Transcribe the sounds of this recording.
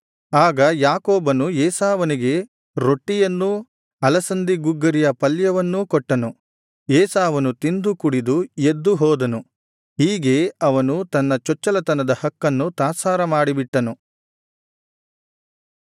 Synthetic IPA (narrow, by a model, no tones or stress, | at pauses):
aːɡɐjaːkoːbɐnujɛːsaːʋɐniɡe̞ | ɾo̞ʈːijɐnːu | ɐlɐsɐnd̪iɡuɡːɐɾijɐpɐljɐʋɐnːukɔʈːɐnu | jɛːsaːʋɐnut̪ind̪ukuɽid̪ujed̪ːuɦɔːd̪ɐnu | ɦiːɡe̞ɐʋɐnut̪ɐnːɐt͡ʃɔt͡ʃːɐlɐt̪ɐnɐd̪ɐhɐkːɐnːut̪aːsaːɾɐmaːɽibiʈːɐnu